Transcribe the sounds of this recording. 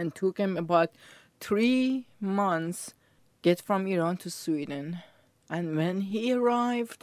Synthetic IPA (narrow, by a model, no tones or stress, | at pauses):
æ̃ntʰukhɨ̃məbaʊt̪ | θɹimʌ̃nθs | ɡ̥ɛtfɹɔ̃miɹɑ̃ntʰuswid̃n | ʔæ̃nwɛ̃nɦiəɹaɪvd̥